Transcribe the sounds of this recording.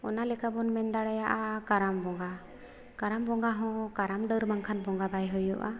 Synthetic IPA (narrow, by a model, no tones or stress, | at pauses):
ɔ̰nalɛkabɔnmɛnd̪aɽajaʔakaɾambɔŋɡa | kaɾambɔŋɡaɦɔ̃kaɾamɖəɾmaŋkʰanbɔŋɡabajɦɔjɔʔa